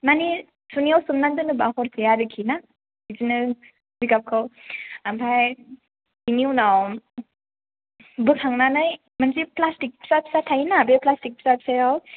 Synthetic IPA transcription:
mani | suniawsɯmnandɯnɯbahɔɾtʰɯjaɾɯkʰina | izinɯ | zikap̚kʰɯwampʰaj | iniwnaw | bɯkʰaŋnanɯj | manziplastik̚psapsatʰajinabeplastik̚psap̚sajaw

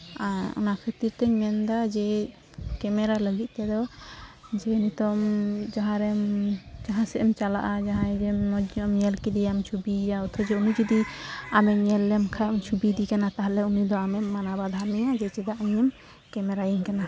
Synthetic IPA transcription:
aɔ̰nakʰət̪iɾt̪ɛɲmɛnd̪ad͡ʒɛ | kɛmɛɾaləɡit̪̚ˀt̪ɛd̪ɔ | d͡ʒɛnit̪ɔmd͡ʒaɦãɾɛmd͡ʒaɦãsɛʔɛmt͡ʃala̰ʔad͡ʒaɦãd͡ʒɛɔd͡ʒɔmɲɛlkid̪ɛjamt͡ʃʰubijaɔt̪ʰɔd͡ʒɛunud͡ʒɔd̪iamɛɲɛlːɛmkʰamt͡ʃʰubid̪ikanat̪aɦalɛunid̪ɔamɛmːanabad̪ʱamɛjad͡ʒɛt͡ʃɛd̪aʔəɲɛm | kɛmɛɾajiŋkana

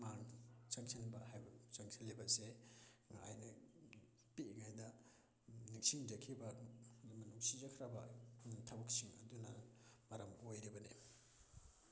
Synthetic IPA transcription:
mansaŋsʰinbɐhajbɐsaŋsʰinlːibɐseŋa̰jnɐ | piŋajnɐ | niksiŋd͡ʒɐkʰibɐmɐnuŋsizɐkʰɾɐbɐtʰabɐk̚siŋɐ̰dunɐ̰mɐɾɐmojɾibɐne

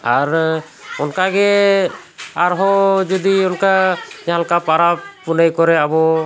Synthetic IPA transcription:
aɾ | ɔnkaɡɛ | aɾɦɔd͡ʒɔd̪iɔnkad͡ʒalkapaɾapunəjkɔɾɛabɔ

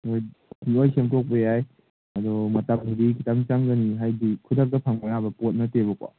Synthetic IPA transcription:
ojiojkʰemtɔk̚bejaj | adɔmɐtamkidikʰitamt͡ʃaŋɡaniɦajdikʰudak̚dɐpʰaŋmanabɐpot̚natebɔk̚a̰

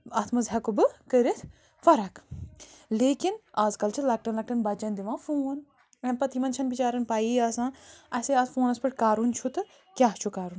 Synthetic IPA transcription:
ɐt̪ʰmɐzɦɐkubɨkəɾit̪ʰ | fɐɾɐk | leːkinaːzkɐlt͡ʃʰilɐk̚ʈɐnlɐk̚ʈɐnbɐt͡ʃɐnd̪iʋãːfoːn | ɐnpɐt̪ʰimɐnt͡ʃʰɐnbit͡ʃaːɾɐnpaːjiaːsãːɐseaːzfoːnɐspɐʈ̚ʰkaːɾunt͡ʃʰut̪ɨ | kʲaːɦt͡ʃʰukaːɾun

